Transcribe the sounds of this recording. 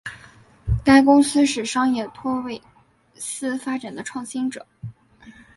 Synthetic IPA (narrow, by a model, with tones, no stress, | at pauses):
t̪a˥˩ɪkʊ˥ŋsɹ̩˥ʂɻ̩˨˩ʂɑ˥ŋjɛ˥˩t̪ʰwɔ˥˧we˥˩ɪ | sɹ̩˥fa˥ʈ͡ʂa˨˩nd̪ə˦ʈ͡ʂʰwɑ˥˩ŋɕi˥nʈ͡ʂɤ̰˨˩˦